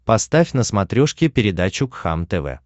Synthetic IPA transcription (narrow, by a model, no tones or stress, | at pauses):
pɐst̪afʲnəsmɐt̪ɾʲoʂkʲɪpʲɪɾʲɪd̪at͡ɕʊkxa̰mt̪ɛvɛ̰